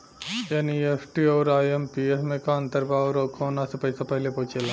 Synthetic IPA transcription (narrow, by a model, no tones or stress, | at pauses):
eniesʈiɐwɾaːjempiesmekaɐnt̪ɐɾbaːʋɾɐwkʰɐːnaːsipɐjsɐpɐlepoːt͡ʃela